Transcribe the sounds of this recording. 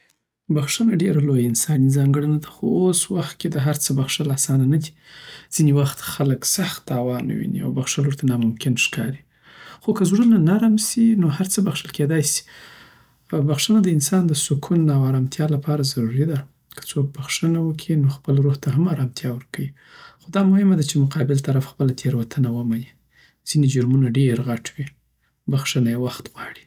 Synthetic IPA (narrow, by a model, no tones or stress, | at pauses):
baxʂənaɖeɾalojɪnsɑnizɑŋɡəɽanad̪axooswaxt̪̚ked̪əɦaɾt͡səbaxʂəlasɑnanad̪i̥ | z̥inewaxt̪xaləksaxt̪ːɑwɑn̰wḭnḭa̰wbaxʂəlwəɾt̪anɑmʊmkɪnʃkɑɾi | xokəzɾunanaɾmsinohaɾt͡səbaxʂəlked̪ɑjsi̥ | baxʂənad̪əɪnsɑnd̪əsʊkʰunːawaɾɑmt̪ʰjɑlapʰɑɾazaɾuɾid̪a | kə̥t͡sok̚baxʂənawəkʰinoxpəlɾoɣt̪aɦamaɾɑmt̪ʰjɑwəɾkawi | xod̪ɑmʊhɪmad̪at͡ʃemʊqɑbɪlt̪aɾafxpəlat̪ʰeɾwat̪ʰanawəmaji | z̥ined͡ʒʊɾmunaɖeɾɣaʈwi | baxʂənajewaxt̪ɣwɑɽi̥